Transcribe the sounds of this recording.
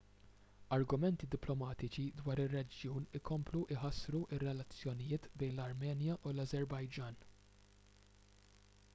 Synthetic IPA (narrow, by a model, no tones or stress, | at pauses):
ɐɾɡʊmɛnt̪id̪ɪplɔmɐːt̪ɪt͡ʃid̪wɐːɾɪrːɛd͡ʒjuːnɪkɔmpluʔɪħɐsːɾuʔɪrːɛlɐt͡sːjɔnɪjɪːt̪bɛjnlɐɾmɛːnjɐʔulɐzɛɾbɐjd͡ʒɐːn